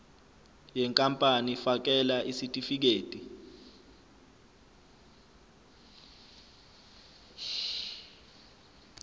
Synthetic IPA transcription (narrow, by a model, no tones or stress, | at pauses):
jɛŋkʼampʼanifak̬ɛlaʔisitʼifik̬eːtʼi